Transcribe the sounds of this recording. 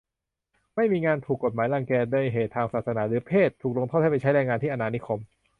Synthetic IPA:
ma˥˩jmiː˧ŋaː˧nt̪ʰuː˨˩kːo˨˩t̪̚maː˩˦jlaː˧ŋkɛː˧du˧˩əjɦeː˨˩t̪ʰːaː˧ŋsaː˨˩t̪̚sa˧naː˩˥ɾɯː˩˦pʰeː˥˩t̪ʰːuː˨˩k̚lo˧ŋt̪ʰa˥˩t̪ʰa˥˩pa˧˩t͡ɕa˦˥jɾɛː˧ŋaː˧nt̪ʰiː˥˩ʔa˧naː˧ni˦˥kʰo˧m

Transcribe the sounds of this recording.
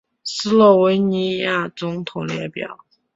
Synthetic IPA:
sɹ̩˥lɔ˥˩we˧˥ɪni˧˥ja˥˩t͡sʊ˧˥ŋt̪ʰʊ˨˩ŋljɛ˧˥pjɑ̰˨˩˦ʊ

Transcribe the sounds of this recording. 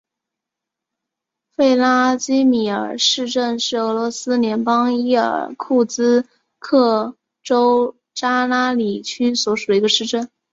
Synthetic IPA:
fe˥˩ɪla˥t͡ɕi˥mi˨˩ə̰˞˨˩ʂɻ̩˥˧ʈ͡ʂə˥˧nʂɻ̩˥˩ɤ˧˥lwɔ˧˥sɹ̩˥ljɛ˧˥npɑ˥ŋi˥˩ə̰˞˨˧˩kʰu˥˩t͡sɹ̩˥ | kʰɤ˥˩ | ʈ͡ʂo˥ʊ | ʈ͡ʂa˥la˥li˨˩t͡ɕʰy˥swɔ˧˥ʂu˨˩i˧˥ɡə˧ʂɻ̩˥˧ʈ͡ʂə˥˩n

